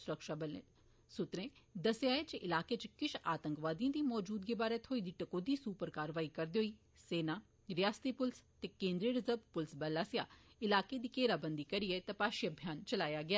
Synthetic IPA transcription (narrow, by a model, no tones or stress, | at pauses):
sʊɾəkʃaːbəle | sʊt̪ɾẽd̪ɐsjaːet͡ʃɪlaːket͡ʃkɪʃaːt̪ə̃ŋkʋaːd̪iãd̪imɔːd͡ʒuːd̪ɡebaːɾet̪ʰoːid̪iʈɐkoːd̪iːsuːpəɾkaːɾʋaːikɐɾd̪oːiː | seːna | ɾɪjaːst̪ipʊlst̪ekẽːnd̪ɾiɾɐzəɾbpʊlsbɐlaːsɪjaː | ɪlaːked̪iːkeːɾabənd̪ikɐɾiet̪ɐpaːʃijbʱjaːnt͡ʃɐlaːjaɡɪjaː